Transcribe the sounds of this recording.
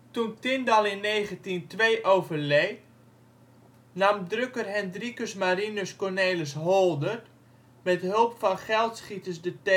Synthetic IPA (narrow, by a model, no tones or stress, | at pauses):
tuntɪndɑlˠɪnːejχəntintʋejʔowvərlej | namdrøkərɦɛndrikəsmaɾinəskɔrneːləsɦɔolˠdər | mɛtɦølˠpfɑnχɛlˠtsχitəsdətɛ